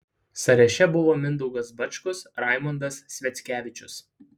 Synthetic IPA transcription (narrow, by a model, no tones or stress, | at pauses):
sɐɾʲɛʃʲɛbʊʋoːmʲɪnd̪ɔʊɡɐsbɐt͡ʃʲkʊsɾɑˑɪmɔnd̪ɐsːʲʋʲɛt̪sʲkʲæːʋʲɪt͡ʃʲʊs